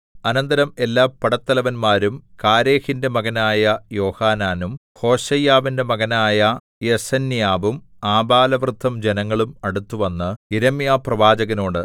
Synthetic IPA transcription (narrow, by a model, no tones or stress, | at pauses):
ɐnɐnd̪ɐɾɐme̞lːaːpːɐɽɐt̪ːɐlɐʋɐnmaːɾumkaːɾe̞ːhinde̞mɐɣɐnaːjɐjo̞ːhaːnaːnum | ho̞ːɕɐjaːʋinde̞mɐɣɐnaːjɐ | jesɐnːjaːʋum | aːbaːlɐʋrɨt̪ːɐmd͡ʑenɐŋːɐɭumɐɽut̪ːuʋɐnːɨiɾɐmjaːprɐʋaːd͡ʑɐɣɐno̞ːɽɨ